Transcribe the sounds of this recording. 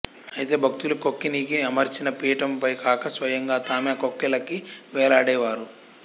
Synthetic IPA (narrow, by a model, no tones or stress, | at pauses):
ɐjit̪e̞ːbʱɐk̚t̪ulukokːinikiɐmɐɾt͡ʃinɐpiːʈɐmpɐjkaːkɐsʋɐjɐŋɡaːt̪aːmeːkokːɛlɐkiʋɛːlaːɽɛːʋaːɾu